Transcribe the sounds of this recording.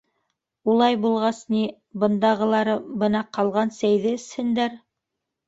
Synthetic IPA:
ulˠɑjbulˠʁɑsni | bɤ̆nd̪ɑʁɤ̆lˠɑɾɤbɤ̆nɑqɑlˠʁɑnsæjðɘɘ̆shɘ̆nd̪æɾ

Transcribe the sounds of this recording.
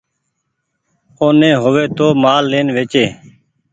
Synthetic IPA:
oːnẽːɦoːʋeːt̪oːmaːlːeːnʋeːt͡ʃeː

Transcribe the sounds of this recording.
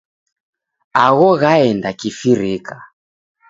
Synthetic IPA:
aɣɔɣaɛndakifiɾika

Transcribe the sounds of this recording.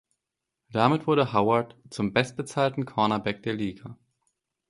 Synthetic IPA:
d̥amɪtv̥ʊɐɾəhaʊɐɐtt͡sʊmbɛst̚b̥ət͡saːltn̩kʰɔɐnabɛk̚d̥eːɐliːɡa

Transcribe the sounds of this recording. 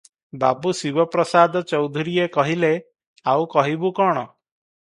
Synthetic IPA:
ba̰busibɔpɾɔsad̪ɔt͡ʃɔwd̪ʱuɾiekɔɦile | awkɔɦibukɔɽ̃ɔ

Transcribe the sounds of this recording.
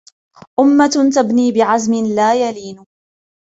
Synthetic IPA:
ʔʊmːat̪abniːbɪʕazmɪlaːjaliːnʊ

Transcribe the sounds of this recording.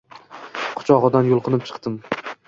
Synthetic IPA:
qʰʊ̥t͡ʃʰɒʁɨd̪anjʊlˠqʰɨnɪp̚t͡ʃʰɨ̥qt̪ɪm

